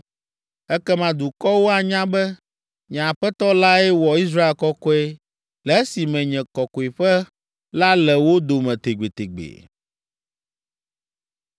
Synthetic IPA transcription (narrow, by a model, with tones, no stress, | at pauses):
ɛ˦kɛ˦mã˦d̪u˨kɔ˦wo˦a˨ɲã˦bɛ˦ | ɲã˨ɸɛ˦t̪ɔ˦la˦ɛ˦wɔ˨i˦s̬ɾa˦e˨lkɔ˦kɔ˦ɛ˦ | lɛ˨˦si˨mɛ̃˨ɲɛ̃˨kɔ˨kɔ˨i˨ɸɛ˦ | la˦lɛ˨wo˦d̪o˨mɛ̃˨t̪e˨ɡ͡be˨t̪e˨ɡ͡bḛ˨